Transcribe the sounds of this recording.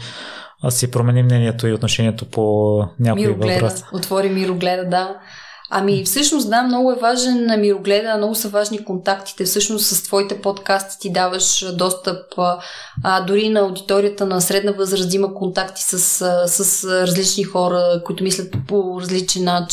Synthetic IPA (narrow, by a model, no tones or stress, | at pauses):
asipɾomɛnimːnɛnʲiɛt̪oiot̪noʃɛniɛt̪oponʲakmiɾovlɛdɾot̪vɔɾimiɾoɡlɛd̪əd̪a | ɐ̰mifsɤʃnosd̪amnɔɡʊɛvaʒɛnɐmiɾoɡlɛd̪əːmnɔɡʊsəvaʒnikont̪akt̪i̥t̪ɛfsɤʃnost̪səst̪vɔit̪ɛpɔt̪kast̪i̥t̪id̪avəʃd̪ɔst̪əp | əd̪uɾinɐɐʊd̪it̪ɔɾijət̪ənɐsɾɛd̪nəvɤzɾəzd̪iməkont̪akt̪i̥səsəsəsɾɐzlit͡ʃnixɔɾəkoit̪ʊmislʲət̪̚poɾɐzlit͡ʃɛnːat͡ʃ